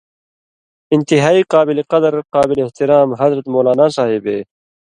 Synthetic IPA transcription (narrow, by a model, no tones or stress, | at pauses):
int̪iɦaːiːqaːbileqʌd̪ɾqaːbileeht̪iɾaːmɦɐd̪ɾɐt̪moːlaːnaːsaːɦibeː